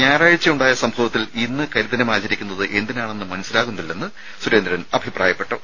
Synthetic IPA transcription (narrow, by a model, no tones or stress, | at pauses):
ɲaːraːɻit͡ɕːɐjuɳɖaːjɐsɐmsoɐt̪ːilinːɨkɐliðɐnɐmaːt͡ɕːɐɾikʲːunːɐðɨʔe̞nd̪inejaːɳe̞nːɨmɐnɐsilaːɣunɐilːɐnːɨ | swuɾeːnd̪ɾɐnɐbʱipraːjɐpːe̞ʈːɐ